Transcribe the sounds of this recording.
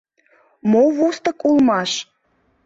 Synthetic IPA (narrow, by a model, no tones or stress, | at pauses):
moβost̪ə̆kulˠmɑʃ